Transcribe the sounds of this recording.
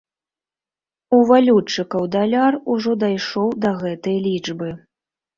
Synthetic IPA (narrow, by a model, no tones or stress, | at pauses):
uvalʲut͡ʂːɨkɐwd̪alʲaruʐɔd̪ajʂɔwd̪ɐɣɛt̪ɐjɐlʲid͡ʐbɨ